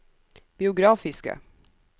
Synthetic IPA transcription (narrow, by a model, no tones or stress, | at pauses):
b̥ɪʊɡɾɑːfɪskə̰